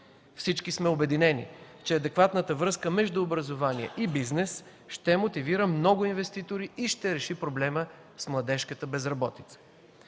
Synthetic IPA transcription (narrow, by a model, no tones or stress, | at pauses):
fsit͡ʃkismɛobɛd̪inɛnḭ | t͡ʃɛɐd̪ɛkvat̪nət̪əvɾɤskəmɛʒd̪ʊːbɾəzovaniɛ̰ʔibiznɛs | ʃt̪ɛmot̪iviɾəmnɔɡʊinvɛst̪it̪oɾiiʃt̪ɛɾɛʃipɾoblɛmə | smlˠɐd̪ɛʃkət̪əbɛzɾɐbɔt̪i̥t̪sə̥